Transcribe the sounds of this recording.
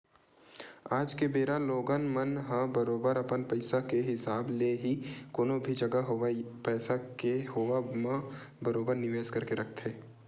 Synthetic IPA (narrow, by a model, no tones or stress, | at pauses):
aːd͡ʒkebeːɾaloːɡanmɐnɦəbəɾoːbəɾɐpənpəɪsakeɦɪsaːbleɦikoːnobʱid͡ʒɐɡaɦoapɛːsakeɦoʋamə̃ | bɐɾoːbəɾnɪʋeːskɐɾkeɾɐkʰt̪ʰeː